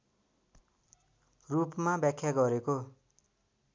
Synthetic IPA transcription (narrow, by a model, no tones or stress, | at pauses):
rupmabjakʰjaɡʌɾeko